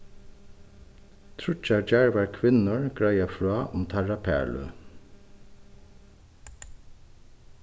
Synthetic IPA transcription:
t̪ʰɹʉt͡ʃæd͡ʒæɹʋɑːɹkʰʋɪnəɹɡ̥ɹɑɪɑfɹɑːʔʊmt̪ʰɑɹɑpʰæ̰ɭʉ̰

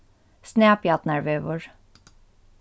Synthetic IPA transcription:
sneːpjɑt̪næɹʋøːʋəɹ

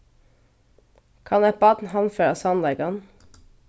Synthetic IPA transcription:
kʰɑnɛbɑd̪n̩hɑnføːɾɑsɑnlɛɡɑn

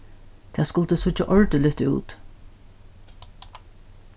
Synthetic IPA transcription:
t̪ʰɛːskʊlt̪əsʊt͡ʃːaʔɔɹt̪ɪlʏht̪ɪṵːt̪

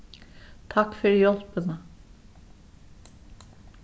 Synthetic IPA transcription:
t̪ʰakfʏɾjɔl̥pɪna

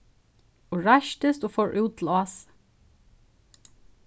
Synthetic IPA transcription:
ʊɹɑʃt̪əst̪uːfɔɹʔʉːt̪ʰlɑːs

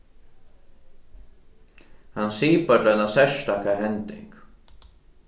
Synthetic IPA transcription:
hansiːpat̪lɛnasɛʃt̪akaɦɛnt̪ɪ̰ŋk

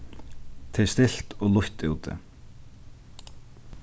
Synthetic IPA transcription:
t̪ʰejst̪ɪl̥t̪ɔɣluht̪ɪwt̪ɪ̰

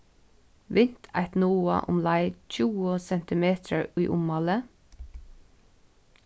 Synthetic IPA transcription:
ʋɪnt̪ʰæ̰ɪt̪nuːə̰ʔʊ̰mlæɪc͡çuːəsɛnt̪ɪmeːt̪ʰəɹyːʔʊmɑlə

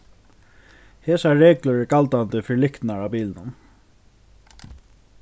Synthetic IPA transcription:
heːsaːɛːkləɹɛkalt̪ant̪ɪfɪɹlɪkt̪naɹapiːlnʊn

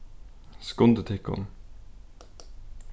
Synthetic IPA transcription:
skʊnd̪ət̪ʰɪkɔ̰n

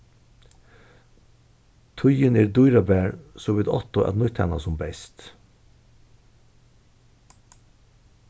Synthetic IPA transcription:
t̪ʰʊjəneːɾd̪ʊjɾabæːɹsoːʋɪd̪ɔ̰t̪ʊɛ̰d̪nʊt̪hɑna̰sʊmbɛɪst̪

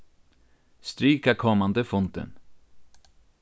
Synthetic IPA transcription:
st̪ɾyːkakʰɔmːand̪əfʊnt̪ə̰n

